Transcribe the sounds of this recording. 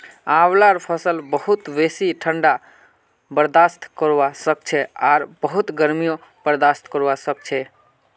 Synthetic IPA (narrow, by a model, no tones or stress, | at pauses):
awlaɾpʰəsəlbəɦut̪besiʈʰəɳɖa | bəɾd̪ast̪kəɾʋasək̚t͡ʃʰɛaɾbəɦut̪ɡəɾmijõ | b̥əɾd̪ast̪kəɾʋasəkt͡ʃʰɛ